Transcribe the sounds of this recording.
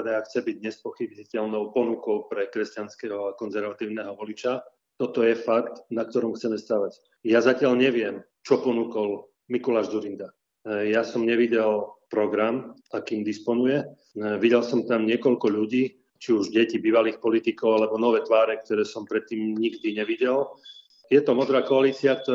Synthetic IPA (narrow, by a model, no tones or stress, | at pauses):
d̪ɛaxt͡sɛbiɟɲɛspɔxibicɛʎnɔʊpɔnukɔʊpɾɛkɾɛscanskɛɦɔakɔnzɛɾʋat̪iːʊnɛːɦɔʋɔlit͡ʃa | t̪ɔt̪ɔjɛfakt̪nak̚t̪ɔɾɔmxt͡sɛmɛst̪aʋac | jazacɪaʎɲɛʋɪɛm | t͡ʃɔpɔnukɔl | mikɔlaːʒzuɾind̪a | jasɔmɲɛʋiɟɛlpɾɔɡɾamakiːmd̪ispɔnujɛ | ʋiɟɛlsɔmt̪amɲɪɛkɔʎkɔʎuɟiː | t͡ʃiuʒɟɛcibiːʋaliːxpɔlit̪ikɔʊalɛbɔnɔʋɛːt̪ʋaːɾɛk̚t̪ɔɾɛːsɔmpɾɛt̪ːiːmɲiɡd̪iɲɛʋiɟɛl | jɛt̪ɔmɔd̪ɾaːkɔaliːt͡siak̚t̪ɔ